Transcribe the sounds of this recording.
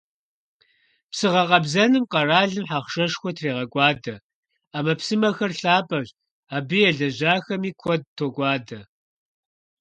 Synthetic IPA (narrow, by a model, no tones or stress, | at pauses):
psɨʁɐqʼɐbzɐnɨmqɐraːɮɨmħaχʃɐʂxʷɔtʰreːʁɐɡʷʼɑːdɐ | aːmɐpsɨmɐxɐrɬaːpʼɐɕ | aːbɨjɛɮɐʑaːxɐmiːkʷʰɔd̚tʰoɡʷʼɑːdɐ